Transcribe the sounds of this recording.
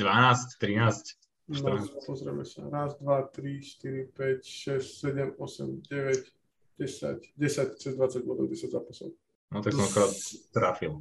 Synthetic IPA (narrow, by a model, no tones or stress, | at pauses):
d̪ʋanaːsct̪ɾinaːsc | nɔpɔzɾɛmɛsa̰ɾazd̪ʋat̪ɾiʃt̪iɾipɛcʃɛssɛɟɛmɔsɛ̰mɟɛʋɛɟ | ɟ̥ɛsa̰ɟɟɛsact͡sɛzd̪ʋat͡saɟ̚bɔd̪ɔ̰ʊɟɛsaɟzapasɔ̰ | nɔt̪akɔ̃mkɾat̪t̪ɾafilˠ